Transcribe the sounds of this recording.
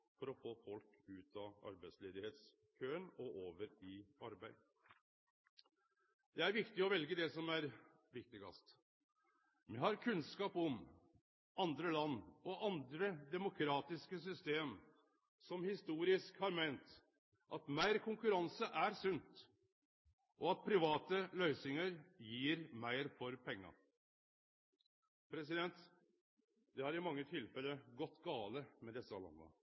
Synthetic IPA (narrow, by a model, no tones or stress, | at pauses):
fɔɾɔfoːfɔlkʉːt̪ʰɑɑ̰ɾbæɪsleːd̪ɪheːt̪s | kʰøːənɔʔoːʋəɾɪɑɾbæɪ | d̪̥ɛæɾʋɪkt̪ɪɔʋɛlɡəd̪ɛsɔmæɾ | ʋɪk̚t̪ɪɡɑ̰st̪ | mɛhɑɾkʰʉnskɑːpɔm | ɑnd̪ɾəlɑnːɔʔɑnd̪ɾəd̪ɛmʊkʰɾɑːt̪ɪskəsʏst̪eːm | sɔmhɪst̪uːɾɪskhɑɾmæɪnt̪ | ʔɑt̪mæɪɾkʰʊŋkʉɾɑnsəʔæɾsʉnt̪ | ʔɔɑt̪̚pʰɾɪʋɑːt̪əlœʏsɪŋəɾjiːɾmæɪɾfɔɾpʰɛŋːɑ̰ | pʰɾɛsɪd̪ɛnt̪ | d̪ɛhɑɾɪmɑŋːət̪ʰɪlfɛlːəɡɔt̪ːɡɑːləmɛd̪ɛsːəɑ̰lɑ̰nːə̰